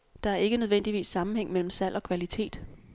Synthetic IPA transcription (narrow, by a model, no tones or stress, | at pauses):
d̥ɑ̈æɐe̝ɡ̥ənøð̞ˠʋen̰d̥iʋḭːsːɑ̈mm̩heŋ̰mel̰m̩sæl̰ɒ̽kʰʋælit͡sʰe̝̰ːd̥